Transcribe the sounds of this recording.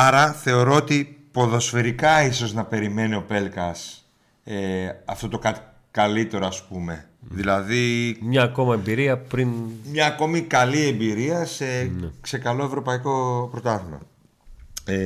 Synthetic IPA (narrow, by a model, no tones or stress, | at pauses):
ɐɾɐθe̞o̞ɾo̞ot̪ipo̞ðo̞sfe̞ɾikɐiso̞znɐpe̞ɾime̞nio̞pe̞lkɐs | eɐ̰ft̪o̞t̪o̞kɐt̪i̥ | kɐlit̪e̞ɾo̞ɐspume̞ | ðilɐðimɲɐːko̞mɐembiɾiɐpɾinmɲɐːko̞mikɐlie̞mbiɾiɐsenekse̞kɐlo̞e̞vɾo̞pɐiko̞pɾo̞t̪ɐɣmɐ̰